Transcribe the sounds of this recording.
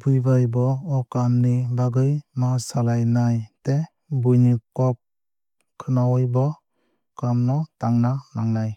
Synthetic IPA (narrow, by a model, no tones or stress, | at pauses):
pʰujbajbɔɔkamnibaɡɯjmasalajnajte | bujnikɔp̚ | kʰɯnawɔjbɔ | kamnɔtaŋnanaŋnaj